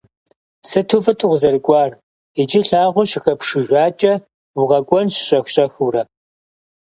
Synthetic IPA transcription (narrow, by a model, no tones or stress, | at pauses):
sɨtʰuːfɨtʼʊʁʷzɐrɨkʷʼɑːr | id͡ʒiɬaːʁʷʊʃɪxɐpʂɨʒʷaːt͡ʃʼɐ | wʊʁɐkʷʼɔnɕɕʼɐxɕʼɐxurɐ